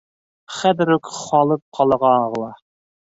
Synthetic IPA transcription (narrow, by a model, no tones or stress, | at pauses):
χæd̪ɾokχɑːlˠɨp̚qʰɑlˠəʁɑʁlˠɑ